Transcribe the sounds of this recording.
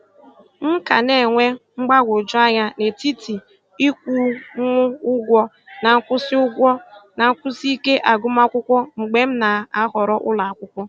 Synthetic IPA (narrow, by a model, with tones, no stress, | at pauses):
m̩˦ka˨ne˨ŋʷe˦ŋ͡m̩˦ɡ͡ba˦ɡʷo˨d͡ʒʊ˦a˦ɲa˦ne˨ti˦ti˨ | i˦kʷu˦ŋʷʊ˦ʊ˦ɡʷɔ˦ | na˨ŋ̩˦kʷʊ˦sɪ˦ʊ˦ɡʷɔ˦na˨ŋ̩˦kʷʊ˦si˦i˦ke˦ʔa˨ɡʊ˦ma˦kʷʊ˦kʷɔ˦ŋ͡m̩˨ɡ͡be˦m̩˦na˨a˦ɦɔ˨ɾɔ˦ʔʊ˦la˨a˨kʷʊ˦kʷɔ˦